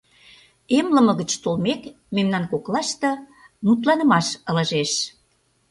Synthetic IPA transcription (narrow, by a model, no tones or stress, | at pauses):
emlə̆mə̆ɣə̆t͡ɕt̪olmek | memnɑnkoklɑʃt̪ɤ̆ | nut̪̬lɑnə̆mɑʃə̆lə̆ʒeʃ